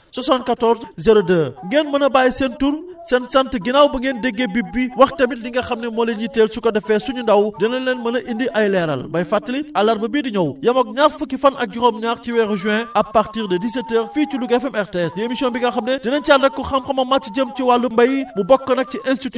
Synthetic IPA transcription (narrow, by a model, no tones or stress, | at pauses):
sɐsant̚kɐtɔɾzzɐɾodəːŋɡeːnmɐnɐbaːjsɛntuɾsɛnsɐntɡinawbɐŋɡeːndɛɡːebibːiwɐxtɐmidiŋɡɐxɐmnɛmɔːlenɲiteːlsukɐdɐfɛsuɲundɐwdɛnɐnːɛnmɐnɐʔindiʔɐjlɛɾɐ̰lbɐjfatːliɐlɐɾbɐbiːdiɲɔwjɐmɐk̚ɲaxfɐkːifɐnɐk̚ɟuxoːmɲaːxciwɛɣʒɛ̃ɐpːɐɾtiːʁdɐdisetːəːɾfiːt͡ʃuluɡɛfɛmɛɾteɛsdiemisiɔnbiŋɡɐxɐmnɛdinɐnt͡ʃaːndɐkːɔxɐmxɐmɐmat͡ʃiɟəmciwalːumbɐjimubɔkːɐnɐk̚ciʔɛnstit